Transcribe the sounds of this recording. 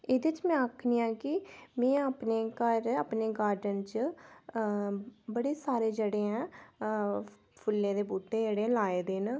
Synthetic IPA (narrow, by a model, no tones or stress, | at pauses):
ed̪et͡ʃmɛ̃ːəkʰniːãːkɪmɛ̃ːapneːkəɾaːpneːɡaːɾɖənt͡ʃ | bəɽeːsaːɾeːd͡ʒəɽeːɛ̃ː | pʰʊlːẽːd̪eːbuːʈːeːd͡ʒeɽeːãːlaːeːd̪eːn